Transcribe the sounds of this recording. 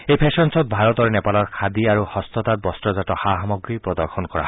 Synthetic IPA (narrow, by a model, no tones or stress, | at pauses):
ejpʰesɔnsɔt̪̚bʱaɾɔt̪ɔɾenepalɔɹkʰad̪iaɾuhɔst̪ɔt̪at̪̚bɔstɾɔzatɔhaɦamɔɡɾipɾɔd̪ɔɾxʰɔnkɔɾa̰ɦ